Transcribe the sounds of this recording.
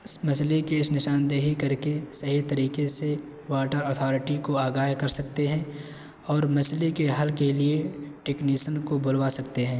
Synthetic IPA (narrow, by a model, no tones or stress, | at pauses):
ɪsmɐslekeɪsnɪʃaːnd̪eːɦikɐɾkesɐɦit̪ɐɾiːkese | waːʈəɾɔːt̪ʰɔːɾɪʈikoaːɡaːɦkɐɾsɐkt̪eɦɛ̃ː | ɔːɾmɐslekeɦɐlkelieʈeːkniːʃənkobʊlʋasɐkt̪eɦɛ̃ː